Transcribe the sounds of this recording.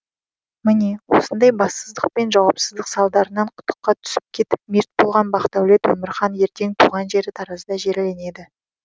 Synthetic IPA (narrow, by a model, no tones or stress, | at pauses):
mɪnewo̞sənd̪ɑjbɑsəzd̪əq̚pe̞nʒɑwɑpsəzd̪əqsɑlˠd̪ɑɾənɑɴqʰʊ̥t̪ːə̥qːɑt̪ʰʏ̥sɪ̥p̚kʲʰe̞t̪ɪp̚meɾt̪̚bolˠʁɑnbɑqt̪ɑwle̞t̪wɵmɪɾχɑnje̞ɾt̪e̞ŋt̪ʰuʁɑnʒe̞ɾɪt̪ʰɑɾɑzd̪ɑʒe̞ɾle̞ne̞d̪ɪ